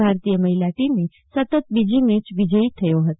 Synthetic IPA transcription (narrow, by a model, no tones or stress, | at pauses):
aɾt̪ijəməɦilaʈimni | sət̪ət̪̚bid͡ʒimet͡ʃʋid͡ʒəit̪ʰəjoɦət̪